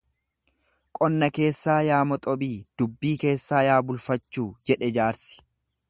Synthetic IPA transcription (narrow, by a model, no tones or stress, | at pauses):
kʼɔnːɐke̞ːsːaːjaːmɔt̪ʼɔbiːd̪̥ʊbːiːke̞ːsːaːjaːbʊlfɐt͡ʃːuːd͡ʒɛᶑɛd͡ʒaːɾsɪ̥